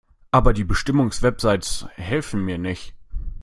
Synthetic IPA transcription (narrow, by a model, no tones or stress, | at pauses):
ʔaːbɐdiːbəʃtɪmʊŋsv̥ɛpz̥aɪtshɛlfn̩miːɐnɪçt